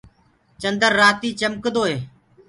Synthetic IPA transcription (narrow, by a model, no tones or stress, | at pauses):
t͡ʃənd̪əɾːaːt̪iːt͡ʃəmkd̪oːɦeː